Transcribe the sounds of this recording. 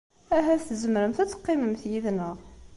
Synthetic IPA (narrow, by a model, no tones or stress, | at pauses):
æɦæsθzəmɾəmθæt͡sːə̥qːɪməmθjiðnəʁ